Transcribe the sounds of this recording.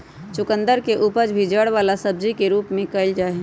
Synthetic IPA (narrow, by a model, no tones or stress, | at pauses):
t͡ʃʊkə̃nd̪əɾkeʔupəd͡ʒbʱid͡ʒəɽʋaːlasəb̚d͡ʒikeɾuːpmẽkəld͡ʒaː